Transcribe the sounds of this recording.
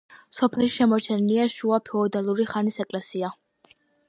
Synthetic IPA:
sɔpʰɛlˠʃi̥ʃɛmɔɾt͡ʃʰɛnliaʃuapʰɛɔd̪alˠuɾiχanisɛkʼlɛsia

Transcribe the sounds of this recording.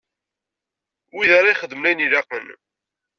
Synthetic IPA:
wiðaɾˤajχəd̪ːmlæjnilaqən

